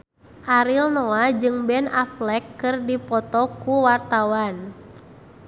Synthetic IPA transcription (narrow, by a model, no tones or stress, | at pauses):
ʔaɾilnɔad͡ʒɨŋbɛnaflɛkːɨrdipɔt̪ɔkuwart̪awan